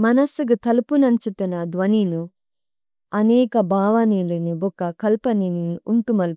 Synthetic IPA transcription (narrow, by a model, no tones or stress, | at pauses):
mɐnɐsuɡut̪ɐlupunɐnt͡ʃut̪unɐd̪ʋɐninu | ɐnɛːkɐbaːʋɐniːlinibɔkːɐkɐlpɐniniunt̪umɐl